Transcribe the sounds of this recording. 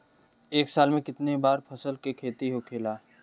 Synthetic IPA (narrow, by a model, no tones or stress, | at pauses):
eːksaːlmẽkɪt̪nebaːɾpʰɐsəlkekʰeːt̪iɦokʰeːlaː